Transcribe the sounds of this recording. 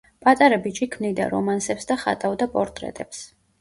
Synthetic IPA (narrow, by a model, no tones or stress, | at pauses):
pʼat̪ʼaɾabit͡ʃʼikʰmnid̪a̰ɾɔ̰mansɛpsd̪aχa̰t̪ʼavd̪apʼɔɾt̪ʼɾɛ̰t̪ʼɛps